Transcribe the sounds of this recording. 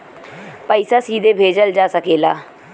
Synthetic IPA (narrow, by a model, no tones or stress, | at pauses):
pəɪsaːsiːd̪eːbʱeːd͡ʒəld͡ʒaːsəkeːlaː